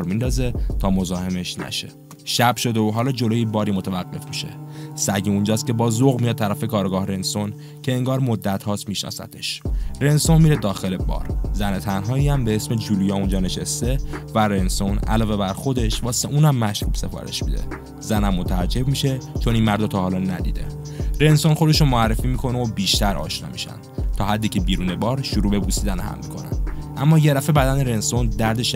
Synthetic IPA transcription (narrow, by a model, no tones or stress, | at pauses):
ɾmind̪ɒːze̞t̪ʰɒːmo̞zɒːhe̞me̞ʃnæ̰ʃe̞̰ | ʃæbʃo̞d̪eoɦɒːlɒːd͡ʒo̞loːjibɒːɾiːmot̪ʰævæɢːe̞fmiʃe̞̰sæɟiund͡ʒɒːst̪̚cʰe̞bɒːzoɣmijɒd̪̚t̪ʰːæɾæfe̞kɒːɾɡɒːhɾe̞nso̞n | cʰe̞eŋɡɒːɾmod̪ːæt̪hɒːst̪miʃnɒ̰ːsæ̰t̪ʰeʃɾe̞nso̞nmiɾed̪ɒːxe̞lebɒ̰ːɾzænet̪ʰænɦɒːiæmbe̞esme̞d͡ʒuːlujɒːund͡ʒɒːne̞ʃest̪e̞væɾe̞nso̞næ̰lɒːve̞bæɾxo̞d̪e̞ʃvɒːseʔuːnæmːæʃɾuːb̥se̞fɒ̰ːɾe̞̰ʃmid̪e̞̰ | zænæmːot̪ʰææɾd͡ʒe̞bmiʃe̞t͡ʃʰo̞ninmæɾd̪ot̪ʰɒːhɒːlɒnæd̪ḭːd̪e̞̰ | ɾe̞nso̞nxo̞d̪e̞ʃunmoærːefiːmiːkʰo̞neobiːʃt̪æɾʔɒ̰ːʃnɒ̰ːmḭʃæ̰nd̪̥t̪ʰɒːhæd̪ːiːcʰebiːɾuːnebɒːɾʃuɾuːbe̞buːsiːd̪ænhæ̰mːikʰo̞̰næ̰nʔæmːɒːje̞d̪æfe̞bæd̪æneɾe̞nso̞nd̪æɾd̪eʃ